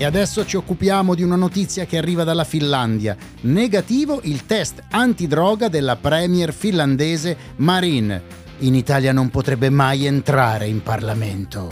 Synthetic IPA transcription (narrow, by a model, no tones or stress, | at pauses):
ead̪ɛsːot͡ʃiokːupjaːmod̪iunanot̪it̪sːjak̟earːiːvad̪alːafinlːand̪ja | neɡat̪iːvoʔilt̪ɛst̪ant̪id̪ɾɔːɡad̪elːapɾɛːmjɛrfinland̪ɛːze | maɾin | init̪aːljanompot̪ɾɛbːemajent̪ɾaːɾeimparlament̪o